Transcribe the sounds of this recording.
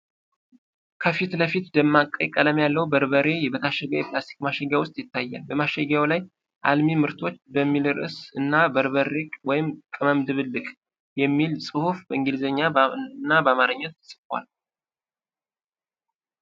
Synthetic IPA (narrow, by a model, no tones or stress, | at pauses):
kʰəfit̪ləfit̪d̪əmːakʼːə̰jkʼələmjalːəwbəɾbəɾe̞jɛβət̪ʰaʃɛɡawjɛpʰlast̪ʰi̥kmaʃɛɡawʊst̪ʼjɪt̪ːajːa̰lbəmaʃɛɡawlaj | ʔa̰lmimɨɾt̪ʰo̞t͡ʃːbəmːilɨɾʔɨ̰sɨnːabəɾβəɾekʼwɔjɪmkʼɨməmd̪ɨβɨlːɨkʼ | jɛmːilsʼɨhufbəɨŋɡɨlzəɲːaɨnːabəamaɾəɲːət̪ɨ̥sɨ̥kwa̰l